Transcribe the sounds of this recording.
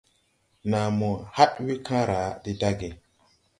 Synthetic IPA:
na˨mɔ˨ha˦twi˦kʰã˦ɾa˨˦di˦da˦ɡi˨

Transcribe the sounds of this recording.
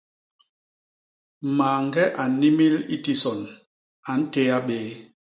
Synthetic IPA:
maː˨ŋɡɛ˦ʔa˨˦ni˦mi˦li˦ti˦sɔ˨n | a˨n̩˦te˦a˦ɓeː˦

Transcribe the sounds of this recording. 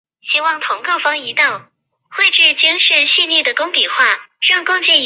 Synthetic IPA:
ɕi˥wɑ˥˩ŋt̪ʰʊ˧˥ŋko˥˩ʊfɑ˥ŋi˧˥t̪ɑ˥˩ʊ | xwe˥˧ɪʈ͡ʂ̩˥˩t͡ɕi˥ŋʂə˥˧nɕi˥˧ni˥˩d̪ə˩kʊ˥ŋpi˨˩xwa˥˩ɻɑ˥˧ŋkʊ˥˧ŋt͡ɕi˥˩n

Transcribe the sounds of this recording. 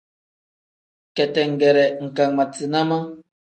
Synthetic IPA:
kɛ˨tɛ˨ŋ̩˨ɡɛ˨ɾɛ˨ŋ̩˨ka˨ŋma˨t͡si˨na˦ma˦

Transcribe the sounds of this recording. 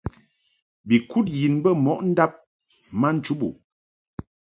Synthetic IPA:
bi˨ku˦t̚ji˨nbə˦mɔ˦˨ʔn̩˦da˦p̚ | ma˦n̩˦t͡ʃu˦bṵ˨

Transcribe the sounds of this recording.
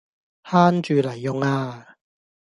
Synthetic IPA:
haː˥nt͡ʃyː˨lɐ˨˩jːʊ˨˧ŋaː˧

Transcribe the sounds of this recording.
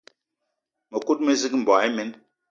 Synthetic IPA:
me˨ku˦t̚me˦zi˦km̩˨bɔ˨i˦me˨˦n

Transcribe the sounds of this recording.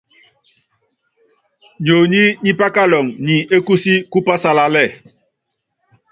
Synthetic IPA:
ɲo˨ɲi˦ɲi˦pa˦ka˦lɔ˨ŋɲi˨e˦ku˦si˦ku˦pa˦sa˦la˦lɛ˦˨

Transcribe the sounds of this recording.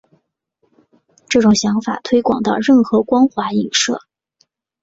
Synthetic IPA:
ʈ͡ʂɤ˥˩ʈ͡ʂʊ˨˩ŋɕjɑ˧˥ŋfa̰˨˩t̪ʰwe˥ɪkwɑ̰˨˩ŋt̪ɑ˥˧ʊɻə˥˩nxɤ˧˥kwɑ˥ŋxwa˧˥i˨˩ŋʂɤ̰˥˩

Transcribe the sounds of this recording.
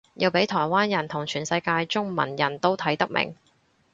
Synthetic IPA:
jiː˨˧wpe˨˥jt̪ʰɔː˨˩jwaː˥njɐ˨˩nt̪ʰʊ˨˩ŋt͡ʃʰyː˨˩nsɐ˧jkaː˧jt͡sʊ˥ŋmɐ̰˨˩njɐ˨˩nt̪o˥wt̪ʰɐ˨˥jt̪ɐ˥k̚mʔɪ̰˨˩ŋ

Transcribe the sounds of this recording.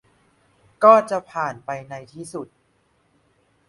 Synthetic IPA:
kɔː˥˩t͡ɕa˨˩pʰaː˨˩npa˧jna˧jt̪ʰiː˥˩su˨˩t̪̚

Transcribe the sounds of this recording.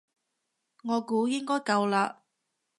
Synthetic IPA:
ŋɔː˨˧kuː˨˥jɪ˥ŋkɔː˥jkɐ˧wlaː˧

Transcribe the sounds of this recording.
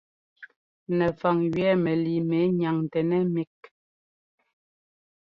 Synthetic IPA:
nɛ˨fa˨ŋɥɥɛ˦mɛ˨li˨me˨˦ɲa˨ŋ˨tɛ˨nɛ˦mi˦k̚

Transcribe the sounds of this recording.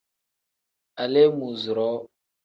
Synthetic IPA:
a˨lɛ˦mu˨zɾɔ˦

